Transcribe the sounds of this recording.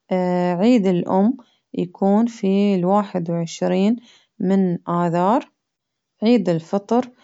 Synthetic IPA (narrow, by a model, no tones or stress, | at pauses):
ʕiːd̪ɪlʔʊ̰mː | jakʰuːnfilwaːħɪd̪wʕɪʃɾiːn | mɪnʔaːðɑːɾˤ | ʕiːd̪ɪlfɑt̪ˤɾ